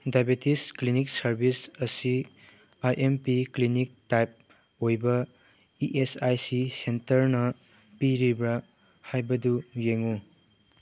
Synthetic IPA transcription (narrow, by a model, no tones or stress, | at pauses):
dajbetisklinik̚sɐɾbʱisɐsi | ajʔempiklinik̚tajp̚ | ojbɐ | iʔesajsisentɐɾnɐ | piɾibɾɐ | hajbɐdujeŋu